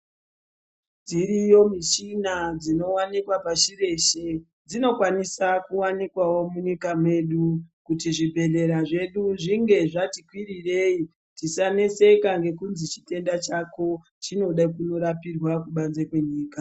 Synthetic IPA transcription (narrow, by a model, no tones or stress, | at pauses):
d͡ziɾijo̞mit͡ʃinad͡zino̞wanikwapaʃire̞ʃe̞ | d͡zino̞kwanisakuwanikwawo̞muɲikamwe̞ɗukutiʐibʱe̞ɮe̞ɾaʐe̞ɗuʐiŋɡe̞ʐatikwiɾire̞i | tisane̞se̞kaŋɡe̞kunzit͡ʃi̥te̞ndat͡ʃako̞ | t͡ʃino̞ɗakuno̞ɾapirwakuɓanze̞kwe̞ɲiːka